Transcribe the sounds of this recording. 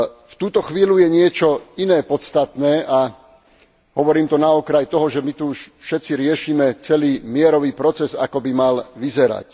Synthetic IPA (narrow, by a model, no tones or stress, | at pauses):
ft̪uːt̪ɔxʋiːlujɛɲɪɛt͡ʃɔinɛːpɔt̪st̪at̪nɛːʔa | ɦɔʋɔɾiːmt̪ɔnaɔkɾajt̪ɔɦɔʒɛmit̪uuʃfʃɛt̪t͡siɾɪɛʃiːmɛt͡sɛliːmɪɛɾɔʋiːpɾɔt͡sɛza̰kɔbimalʋizɛɾa̰c